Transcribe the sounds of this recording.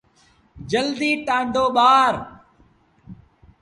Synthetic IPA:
d͡ʒəld̪iːʈãːɳɖoːɓaːɾ

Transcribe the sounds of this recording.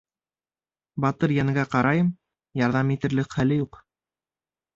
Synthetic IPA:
bɑt̪ɤɾjæŋɡæqɑɾɑjɤm | jɑɾðɑmit̪ɘ̆ɾlɘkχælɘjuq

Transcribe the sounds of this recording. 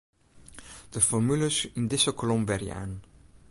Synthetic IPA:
d̥əfɔɹmyləsɪndɪsəkolɔmbɛrja̰ːn

